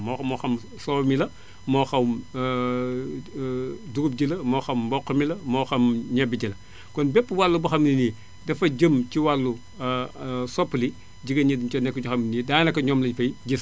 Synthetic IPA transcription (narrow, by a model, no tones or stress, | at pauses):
mɔmɔxɐm | sɔmilɐ | mɔːxɐm | duɡup̚ɟilɐmɔxɐmbɔqːɐmilɐmɔːxɐmɲɐbiɟilɐ | kɔnbɛpːwalːubuxɐmnini | dɐfɐɟəmciwalːu | sɔpːli | ɟiɡɐɲit͡ʃɔnɛkːut͡ʃuxɐminidaːnɐkːɐɲɔːmlɐɲfɐjɟis